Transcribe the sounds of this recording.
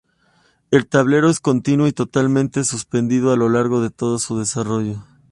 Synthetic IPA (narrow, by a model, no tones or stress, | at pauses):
e̞lt̪aβle̞ɾo̞e̞sko̞nt̪inwoit̪o̞t̪almẽnt̪e̞suspe̞nd̪iðoalo̞laɾɣo̞ðe̞t̪o̞ð̞osuðe̞saro̞ʝo̞